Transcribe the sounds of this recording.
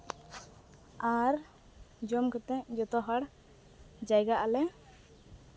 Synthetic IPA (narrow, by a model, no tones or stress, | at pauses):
aɾ | d͡ʒɔmkɛt̪ɛd͡ʒɔt̪ɔɦaɽ | d͡ʒajɡaʔalɛ